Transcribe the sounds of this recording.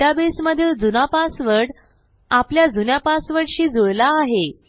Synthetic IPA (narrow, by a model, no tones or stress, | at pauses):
abesməd̪ʱjəld͡zunapasʋəɽ | apljad͡zunjapasʋəɽɕiːd͡zojlaːɦe